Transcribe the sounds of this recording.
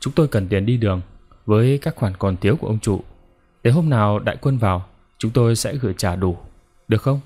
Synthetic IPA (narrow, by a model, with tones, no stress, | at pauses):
t͡ɕʊ˨˦ŋ͡mt̪o˧jkə˨˩nt̪i˨˩ənɗi˧ɗɨ˨˩əŋ | vəː˨˦jkaː˦˥k̚xwaː˧˩nkɔ˨˩nt̪ʰi˨˦ku˧˩əʔə˧wŋ͡mt͡ɕṵ˧˨ | ɗ̪e˨˩ɦo˧mnaː˨˩wɗa̰ː˧˨jkwə˧nvaː˨˩w | t͡ɕʊ˨˦ŋ͡mt̪o˧jsɛ̰˧˥ɣɨ˧˩əjt͡ɕaː˧˩ɗu˧˩ | ɗɨ˨˩ək̚xə˧wŋ͡m